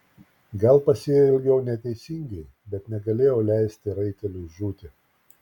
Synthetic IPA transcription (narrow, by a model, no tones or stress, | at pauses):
ɡɐlˠpɐsʲeːjoɪlʲɡʲɛʊnʲɛt̪ʲɛɪsʲɪŋʲɡʲɛɪ | bʲɛt̪nʲɛɡɐlʲeːjoːlʲæˑɪsʲt̪ʲɪɾɐɪkʲɛlʲʊʒuːt̪ʲɪ